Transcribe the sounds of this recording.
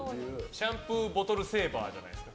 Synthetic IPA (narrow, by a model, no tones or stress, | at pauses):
jɕãmpɯ̟bo̞t̪o̞ɾɯ̟se̞ːba̰ːd͡ʑa̰na̰jd̪esɨ̥ka